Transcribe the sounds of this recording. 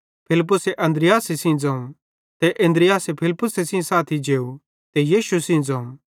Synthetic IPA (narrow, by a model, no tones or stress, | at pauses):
pʰɪlɪp̬ːʊseʔɐ̃nd̪ɾɪjaːsesĩd͡zãːũ | t̪ɛʔẽnd̪ɾɪjaːsepʰɪlɪpːʊsesĩsaːt̪ʰid͡ʒeːu | t̪ɛjiːʃusĩd͡zãːũ